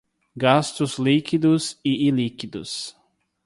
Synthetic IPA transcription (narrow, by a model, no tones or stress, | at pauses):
ɡast̪ʊzlikid̪ʊzɪilikid̪ʊ̰s